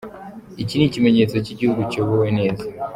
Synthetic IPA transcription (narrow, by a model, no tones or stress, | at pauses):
icinicime̞ɲe̞t͡sociɟihuɡucoβowene̞ːza